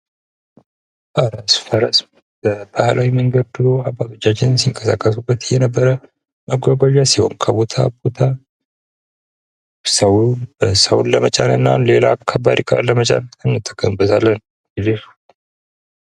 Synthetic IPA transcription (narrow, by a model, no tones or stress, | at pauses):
baɾasfəɾəsʼm | bəbahlʔawiməŋɡəd̪d̪ɨlo̞abːat̪ʰot͡ʃːat͡ʃːɪnnsiŋkʼəsa̰kʼːəs̬ubːət̪jɛnəbːəɾə | məɡʷaɡʷaʒasiho̞̰nkʰəbo̞t̪ʰa̰bo̞t̪ʰa | səwbəsəwunləmət͡ʃʼanɨnːa̰le̞la̰kʰːabaɾikʰa̰ləmət͡ʃʼa̰nɨnːɨt̪ʰʼːəɡəmbət̪ʰalːən | ɡɨd̪ef